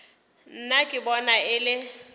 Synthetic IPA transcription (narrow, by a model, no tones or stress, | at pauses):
n̩nakʼɪbɔnaɪlɪ